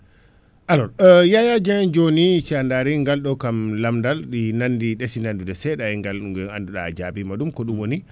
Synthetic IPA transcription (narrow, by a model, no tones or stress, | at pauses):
ʔalɔjajad͡ʒɛd͡ʒonit͡ʃandaɾiŋɡalɗɔkamlamdalɗinandiɗesinandudɛsɛɗaɛŋɡaluɡɛa̰nduɗa̰d͡ʒabimaɗumkɔɗumwoni